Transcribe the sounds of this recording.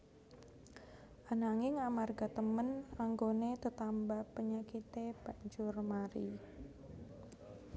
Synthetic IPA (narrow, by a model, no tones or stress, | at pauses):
ʔanaŋɪŋamarɡat̪əmənaŋɡonet̪ət̪ambapəɲakit̪eb̥a̤ɲd͡ʒʊrmaɾḭ